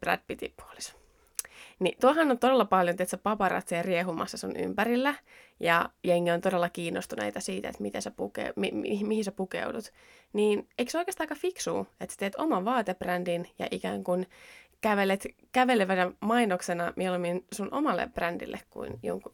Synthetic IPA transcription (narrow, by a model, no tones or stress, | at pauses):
præ̰nd̪̚pit̪ḭpu̥o̥li̥s | nit̪uolhɑnːont̪o̞delːɑpɑljonet̪sepɑpɑɾɑ̰t̪serieɦumɑ̰sːɑsunʔy̰mpæɾilːæ | jɑ̰jeŋːiont̪o̞delːɑkiːnːost̪unḛit̪ɑsiːt̪ḛt̪mit̪æsepukḛmiimihisepukḛudut̪ | niːneiksoikeːst̪ɑːkɑfiksṵːet̪sæ̥t̪eːt̪omɑʋʋɑːt̪ebrændinjɑ̰ʔikæ̰ːŋkunkæʋelet̪ | kæʋeleʋænæmɑinoksenɑmieluminsunʔo̰mɑlːḛprændḭlːḛkkṵinjo̰ŋku